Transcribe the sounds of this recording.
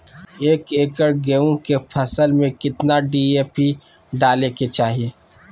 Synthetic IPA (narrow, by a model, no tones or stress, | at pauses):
eːkeːkəɾɡɛõkepʰɐsəlmẽkɪt̪naɖiːeːpi | ɖaːleket͡ʃaːɦieː